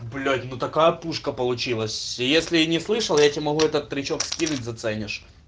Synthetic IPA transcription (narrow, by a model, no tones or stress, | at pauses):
blʲotʲnut̪ɐkajəpuʂkəpəlˠʊt͡ɕilˠəsʲjesʲlʲɪnʲɪslˠɨʂəlˠjatʲɪmɐɦuɛt̪ət̪ːɾʲɪt͡ɕokskʲinʊtʲzɐt̪sɛnʲɪʂ